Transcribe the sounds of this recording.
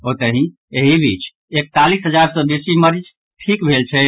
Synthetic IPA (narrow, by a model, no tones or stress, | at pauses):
ot̪əɦĩ | eɦibʱit͡ʃ | ek̚t̪alisɦəd͡ʒaɾsɔ̃besiməɾd͡ʒ | ʈʰikbʱelt͡ʃʰɛ